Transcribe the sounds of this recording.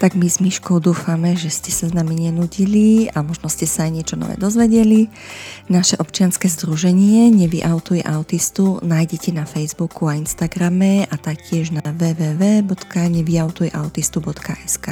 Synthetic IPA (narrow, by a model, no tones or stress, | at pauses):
t̪aɡmizmiʃkɔʊd̪uːfamɛʒɛscɛsaznamiɲɛnuɟiliamɔʒnɔscɛsaːjɲɪɛt͡ʃɔnɔ̰ʋɛ̰ːd̪ɔzʋɛɟɛli | naʃɛʔɔpt͡ʃɪanskɛːzd̪ɾuʒɛɲɪɛɲɛʋiʔaʊt̪ujɛ̰ʔaʊt̪ist̪unaːjɟɛcɛnafɛjzbukuainst̪aɡɾamɛat̪ak̚cɪɛʒnaʋɛːʋɛːʋɛːbɔt̪kaɲɛʋiaʊt̪ujɛʔaʊt̪ist̪ubɔt̪kaʔɛskaː